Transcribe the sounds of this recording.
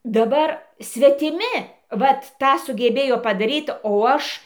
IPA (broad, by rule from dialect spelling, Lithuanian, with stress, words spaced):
dɐˈbɐr sʲʋʲɛtʲɪˈmʲɪ ˈʋɐt ˈtɑː sʊɡʲɛˈbʲeːjoː pɐdɐˈrʲiːt oː ˈɐʃ